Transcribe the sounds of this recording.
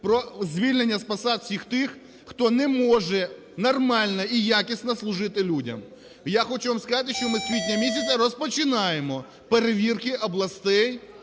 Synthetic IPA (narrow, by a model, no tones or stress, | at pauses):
pɾɔzʲʋʲilʲnenʲːɐspɐsɑt̪sʲixt̪ɪxː | t̪ɔnɛmɔʒɛ | nɐrmɑlʲnɐijakʲisʲnɐslˠʊʒɪt̪ɪlʲudʲɐ̰m | jaxɔt͡ʃuʋamskɐzɑt̪ɪʃt͡ʃɔmɪsʲʋʲit̪ʲnʲɐmʲisʲɐsʲɐɾɔspɔt͡ʃɪnɑjemɔ | peɾeʋʲirkɪʔɐblˠɐst̪ɛj